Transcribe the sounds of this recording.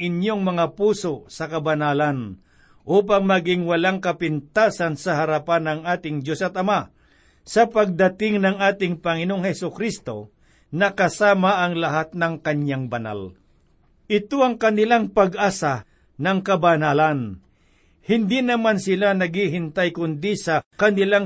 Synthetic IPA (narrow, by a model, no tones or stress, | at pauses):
ʔɪnjoŋmɐŋapuːsosɐkɐbɐnaːlan | ʔuːp̬aŋmɐɡɪŋwɐlaŋkɐpɪnt̪aːsansɐɦɐɾapanɐŋaːt̪ɪŋd͡ʒosɐt̪ɐma | sɐpɐɡ̚d̪ɐt̪ɪŋnɐŋaːt̪ɪŋpɐŋɪnooŋhɛsʊkɾist̪o̞ | nɐkɐsaːmaʔɐŋlɐɦat̪̚nɐŋkɐɲjaŋbɐna̰l | ʔɪt̪oɐŋkɐnɪlaŋpɐɡʔaːsa | nɐŋkɐbɐnaːlan | hɪnd̪inɐmansɪlanɐɡiɦɪnt̪ajkʊnd̪isɐkɐnɪlaŋ